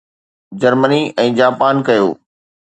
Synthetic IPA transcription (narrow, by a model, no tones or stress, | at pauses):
d͡ʑɐɾməniɛ̃ːd͡ʑaːpaːnkɐjo̰ː